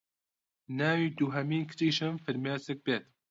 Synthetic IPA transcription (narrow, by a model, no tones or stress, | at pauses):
naːwiːd̪uɦɐmiːnkʰɨ̥t͡ʃiːʃɨmfɨɾmeːsɨk̚beːt̪